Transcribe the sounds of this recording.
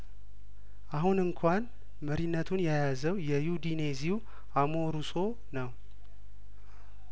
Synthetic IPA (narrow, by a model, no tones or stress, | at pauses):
ʔaɦunɨŋkʰan | məɾinːət̪ʰunjajazəwjɛjud̪ine̞ziu | amo̞ɾusʼo̞ | nəw